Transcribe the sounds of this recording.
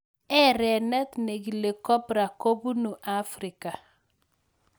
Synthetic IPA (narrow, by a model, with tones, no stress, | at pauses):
ɛ˦ɾɛ˨nɛ˦t̪ne˨ɡi˨le˨kɔ˦pɾa˨ko˦bu˦nu˨ʔa˦fɾɪ˨ka˨